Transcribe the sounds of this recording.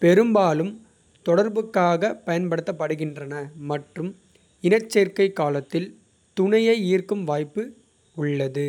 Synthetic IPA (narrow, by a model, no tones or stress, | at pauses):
pɛɾɯmbaːlɯm | t̪ɔɽɐɾbɯkːaːɣɐpːɐjɐnpɐɽɯt̪ːɐpːɐɽɯɣɪndrɐnɐmɐʈrɯm | ɪnɐt͡ʃːeːɾkɐɪkːaːlɐt̪ːɪl | t̪ʊɳɐjɐɪiːrkɯmʋaːjpːɯ | ʊɭːɐðɯ